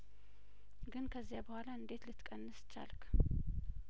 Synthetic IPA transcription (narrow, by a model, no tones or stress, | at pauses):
ɡɨnkʰəzːjabəhʷalaɨnd̪e̞t̪lɨt̪kʼənːɨst͡ʃːa̰lkʰ